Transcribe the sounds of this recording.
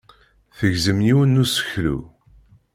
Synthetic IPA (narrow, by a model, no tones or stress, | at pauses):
θəʝzəmjiwənːusə̥çlṵ